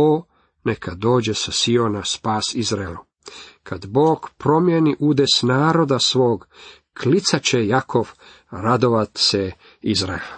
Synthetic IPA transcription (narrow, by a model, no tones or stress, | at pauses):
oː | nekʰad̪o̞ːd͡ʑe̞sasio̞naspaːsizɾaelu | kʰad̪boːɡ̥pɾo̞mjeniʔud̪esnaːɾo̞d̪asʋo̞ːɡ | kʰlit̪sat͡ɕejakʰo̞ʋ | ɾad̪o̞ʋat̪se | izɾa̰el